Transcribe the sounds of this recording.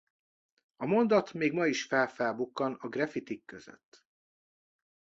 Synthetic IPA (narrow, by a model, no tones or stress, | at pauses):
ɒmo̞nd̪ɒt̪meːɡmɒiʃfɛlfɛlbukːɒnɒɡrɛfit̪ikːøzø̰t̪ː